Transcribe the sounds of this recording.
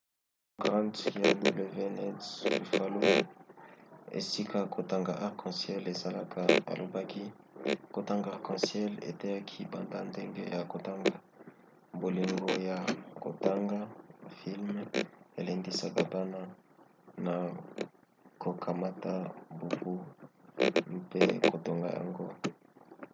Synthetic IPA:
ɡʁã˦ntja˨du˦ble˨ve˦nɛ˦sli˨fa˦lo˦ | ḛ˨si˦kʰa˦kʰo˨ta˨ŋɡa˨ʔa˨ʁkʰɑ̃˨sjɛ˦le˨za˨la˦kʰa˨a̰˨lo˨ba˦ki˦ | ko˨ta˦ŋɡa˨ʁkɑ̃˨sjɛ˦lḛ˨tɛ˦ja˦kʰi˦ba˨nda˦nde˦ŋɡe˦ja˨ko˨ta˦ŋɡa˨ | bo˨li˨ŋɡo˦ja˨ko̰˨ta˦ŋɡa˦fi˦lme˨le˨ŋdi˦sa˦ka˨ba˦na˦ | na˨ | ko˨kʰa˨ma˦ta˦bu˨fu˦ | mpe˦ko˨to˨ŋɡa̰˨ja̰˨ŋɡo̰˦

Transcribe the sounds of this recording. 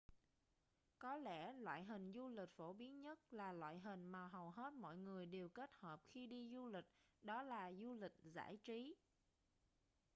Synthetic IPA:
kɔ˨˦lɛ̰˧˩lwa̰ː˧˨jɦï˨˩ŋ̟zu˧lï˨˩k̟̚fo˧˩ɓi˨˦ənɲə˦˥t̚laː˨˩lwa̰ː˧˨jɦï˨˩ŋ̟maː˨˩ɦə˨˩wɦe˦˥t̚mɔ̰˧˨jŋɨ˨˩əjɗe˨˩wke˦˥t̚həː˨˩p̚xi˧ɗi˧zu˧lï˨˩k̟̚ɗɔ˨˦laː˨˩zu˧lï˨˩k̟̚za̰ː˧˩jt͡ɕi˨˦

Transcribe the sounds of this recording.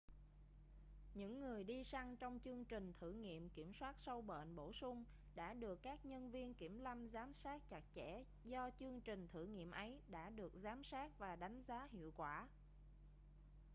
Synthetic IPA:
ɲɨ̰˧˥ŋːɨ˨˩əjɗi˧sa˧ŋt͡ɕɔ˧wŋ͡mt͡ɕɨ˧əŋt͡ɕï˨˩ŋ̟t̪ʰɨ̰˧˩ŋḭ˧˨əmki˧˩əmswaː˦˥t̚sə˧wɓə̰˧˨nɓo˧˩sʊ˧ŋ͡m | ɗa̰ː˧˥ɗɨ˨˩əkːaː˦˥k̚ɲə˧nvi˧ənki˧˩əmla˧mzaː˨˦msaː˦˥t̚t͡ɕa˨˩k̚t͡ɕɛ˧˩ | zɔ˧t͡ɕɨ˧əŋt͡ɕï˨˩ŋ̟t̪ʰɨ̰˧˩ŋḭ˧˨əmʔə˨˦jɗa̰ː˧˥ɗɨ˨˩ək̚zaː˨˦msaː˦˥k̚vaː˨˩ɗa˨˦jŋ̟zaː˨˦hḭ˧˨əwkwaː˧˩

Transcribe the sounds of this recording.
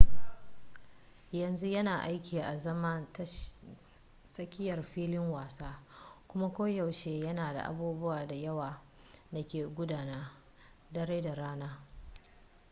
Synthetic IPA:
jɐ˨nzu˦jɐ˦naː˨ʔa˦jkʲiː˨ʔa˨zɐ˦mɐ˦nt | sɐ˦kʲɪ˦jɐ˨rɸiː˦lɪ˦ŋwaː˨saː˦kʷʊ˦ma˦kʷoː˦ja˨wʃeː˦jɐ˦naː˨da̰˨ʔa̰˨buː˦bʊ˦waː˨da˨jɐ˦waː˨ | da˨kʲeː˨ɡʷʊ˦daː˨na˦ | dɐ˦ɾe˦da˨ɾaː˦naː˦

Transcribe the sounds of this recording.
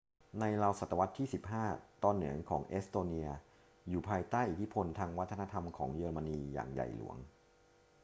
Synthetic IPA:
na˧jla˧wsa˨˩t̪ːa˧wa˦˥t̪ʰːiː˥˩si˨˩p̚ɦaː˥˩t̪ɔː˧nːɯ˩˦əŋkʰɔː˩˦ŋʔe˦˥st̪oː˧ni˧ɐ | juː˨˩pʰaː˧jt̪aː˥˩jʔi˨˩t̪ʰi˦˥pʰo˧nt̪ʰaː˧ŋwa˦˥t̪ʰːna˧t̪ʰa˧mkʰɔː˩˦ŋjɤː˧ɾma˧niː˧ja̰ː˨˩ŋja̰˨˩jlṵ˩˦əŋ

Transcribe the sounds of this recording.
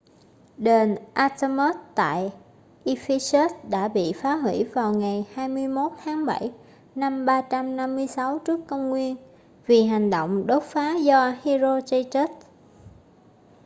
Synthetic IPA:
ɗe˨˩nʔa˧t̪ə˧mə˦˥t̚t̪a̰ː˧˨j | ʔi˧fi˧se˦˥t̚ɗa̰ː˧˥ɓḭ˧˨faː˨˦ɦwi˧˩vaː˨˩wŋa˨˩jhaː˧jmɨ˧əjmo˦˥t̚t̪ʰaː˨˦ŋɓa̰˧˩j | na˧mɓaː˧t͡ɕa˧mna˧mːɨ˧əjsa˨˦wt͡ɕɨ˦˥əkːə˧wŋ͡mŋwi˧ən | vi˨˩ɦa˨˩jŋ̟ɗo̰˧˨wŋ͡mɗo˦˥t̚faː˨˦zɔ˧hi˧zo˧t͡ɕə˧jt͡ɕe˦˥t̚

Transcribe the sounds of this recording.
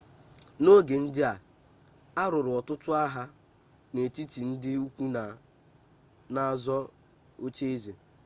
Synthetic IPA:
no˦ɡe˨n̩˦dɪ˦a˨ | a˦ɾʊ˨ɾʊ˨ɔ˨tʊ˦tʊ˦a˦ɦa˦ | ne˨ti˦ti˨n̩˦dɪ˦u˦kʷu˦na˨ | na˨˦˨zɔ˦ | o˦t͡ʃe˦e˦ze˨

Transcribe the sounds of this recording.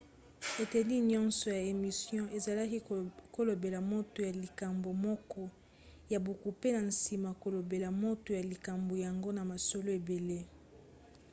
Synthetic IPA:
e˨te˨li˦ɲɔ̃˦nsɔ˨ja˨e˨mi˨sjɔ̃˦ʔe˨za˨la˦ki˦ko˦lo˨be˨la˨mo˦to˨ja˨li˨ka˨mbo˨mɔ˦kɔ˦ | ja˨bo˨ku˨pe˦na˨n̩˨si˨ma˨ko˨lo˨be˨la˨mo˦to˨ja˨li˨ka˨mbo˨ja˨ŋɡo˦na˨ma˨so˨lo˦e˨be˨le˦

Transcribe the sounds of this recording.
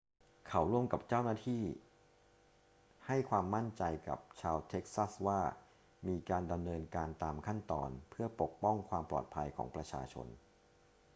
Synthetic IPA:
kʰa˨˩wɾu˥˩əmka˨˩p̚t͡ɕaː˥˩wnaː˥˩t̪ʰiː˥˩ | ha˥˩jkʰwaː˧mːa˥˩nt͡ɕa˧jka̰˨˩p̚t͡ɕʰaː˧wt̪ʰe˦˥k̚sa˥˩swaː˥˩ | miː˧kaː˧nda˧mnɤː˧nkaː˧nt̪aː˧mkʰa˥˩nt̪ɔː˧npʰɯ˥˩ɐpo˨˩k̚pɔ˥˩ŋkʰwaː˧mplɔ̰ː˨˩t̪̚pʰa˧jkʰɔ̰ː˩˦ŋpɾa˧t͡ɕʰa̰ː˧t͡ɕʰo̰˧n

